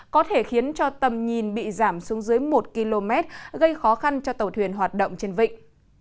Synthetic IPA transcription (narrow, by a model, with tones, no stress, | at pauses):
kɔ˨˦t̪ʰe˧˩xi˨˦ənt͡ɕɔ˧t̪ə˨˩mɲi˨˩nɓḭ˧˨zaː˧˩msu˨˦əŋzɨ˨˦əjmo˨˩t̚ki˧lo˧mɛ˦˥t̚ɣə˧jxɔ˨˦xa˧nt͡ɕɔ˧t̪ə˨˩wt̪ʰwi˨˩ənɦwaː˨˩t̚ɗə̰˧˨wŋ͡mt͡ɕe˧nvḭ˧˨ŋ̟